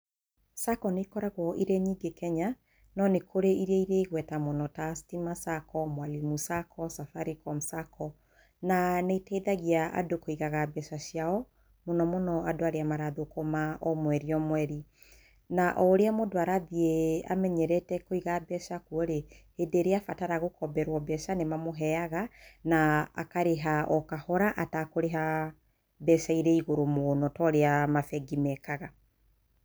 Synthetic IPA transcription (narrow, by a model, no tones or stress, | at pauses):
sakɔneikɔɾaɣwɔʔiɾeɲiːŋɡekʰɛɲa | nɔnekʰoɾeiɾeiɾeiɣwɛtamonɔtastimasakɔmwalimusakʰɔsafaɾikɔm̩sakʰɔ | naneitɛiðaɣiaa̰dokoiɣaɣabɛʃaʃiaɔ | monɔmonɔadoaɾeamaɾaðokomaɔmwɛɾiɔmwɛɾi | naʔɔɾeamodoaɾaðiea̰mɛɲɛɾɛtɛkoiɣabɛsakuɔɾehedeːɾeafataɾaɣokɔbɛɾwɔbɛsanemamoɦɛaɣana̰ːkaɾeɦaʔɔkahɔɾaʔatakoɾeɦa | bɛsaiɾɛiɣoɾomonɔtɔɾeamafɛɡimɛkaɣa